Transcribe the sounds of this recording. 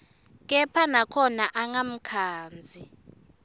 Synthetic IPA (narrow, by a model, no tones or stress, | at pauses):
k̬ɛpʰanakʰɔnaʔaŋam̩kʰaːnd͡zʱi